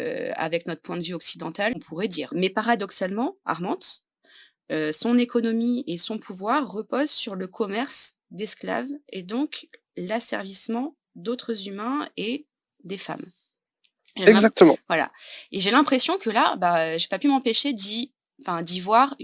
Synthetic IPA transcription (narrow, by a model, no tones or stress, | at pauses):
ø̰a̰vɛknɔt̪χə̥pwɛ̃d̪əvyɔksid̪ɑ̃t̪alɔ̃pʰuʁɛd̪iːʁmɛpaʁad̪ɔksalmɑ̃a̰ʁmɑ̃t̪ | øsɔ̃nekɔnɔmiesɔ̃pʰuvwaʁːəpɔzsyʁləkʰɔmɛʁsd̪ɛskla̰ved̪ɔ̃k | lasɛ̰ʁvismɑ̃ | d̪ot̪χəzymɛ̃e | d̪efa̰m | ʒeɛɡɛ̃zak̚t̪əm̃vwala̰eʒelɛ̃pχesjɔ̃kʰəlabaøʒepapymɑ̃peʃed̪ĩ | fɛ̃d̪ivwaʁ